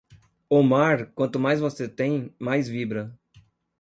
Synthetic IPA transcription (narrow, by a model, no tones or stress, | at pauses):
omaɾkwɐ̃nt̪ʊmajzvoset̪ẽj̃majzvibɾɐ